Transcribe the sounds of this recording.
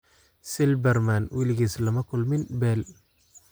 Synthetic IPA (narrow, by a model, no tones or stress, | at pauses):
sɪlbɛrmanwilɪɣiːslɐmɐkʰʊlmɪnbɛːl